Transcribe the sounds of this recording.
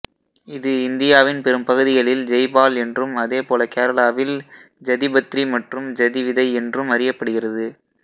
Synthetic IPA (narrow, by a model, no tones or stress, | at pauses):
ɪðɯɪnd̪ɪjaːʋɪnpɛɾɯmpɐɣɯðɪɣɐɭɪld͡ʒɛɪbaːlɛndrɯmɐðeːpoːlɐkeːɾɐlaːʋɪl | d͡ʒɐðɪbɐt̪ɾimɐʈrɯmd͡ʒɐðɪʋɪðɐɪɛndrɯmɐɾɪjɐpːɐɽɯɣɪrɐðɯ